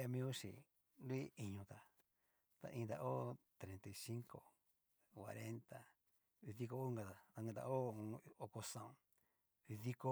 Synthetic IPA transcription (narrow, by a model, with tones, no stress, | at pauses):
a˧mĩ˧˦ũ˦ʃḭ˨ | ɾi˦i˧ɲũ˧t̪a˨ | t̪a̰˧ʔĩː˧d̪a̰˧ʔo˦t̪ɾe˨nt̪a˨i˧si˦ŋko˨ | kwa̰˨ɾe˦nt̪a˨ | i˧ði˧ko˧o˦˧ŋɡa˧t̪a˨t̪a˧ŋɡ̪d̪a̰˧ʔo˦ũ˧o˧ko˧sã˨ũ˨˧ | i˧ði˧ko˦